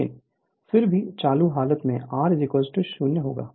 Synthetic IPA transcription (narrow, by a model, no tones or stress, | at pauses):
ɪ̰n | fɪɾbʱit͡ʃaːluɦaːlət̪mḛ̃aːɾzɪkɔːzɪʈəʃuːnjəɦo̰ːɡa̰ː